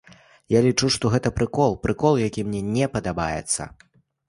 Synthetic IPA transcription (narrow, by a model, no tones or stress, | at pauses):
jalʲit͡ʂuʂt̪ɔɣɛt̪ɐpɾɨkɔlˠpɾɨkɔlˠjakʲimnʲɛnʲɛpɐd̪aba̰jɛ̰t̪sːɐ̰